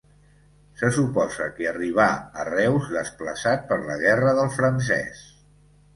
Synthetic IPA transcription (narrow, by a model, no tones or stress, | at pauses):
səsupɔzəkiəriβ̞aə̰rɛwzðəspləsat̪̚pəɾləɣɛrəðəlˠfɾəns̬ɛ̰s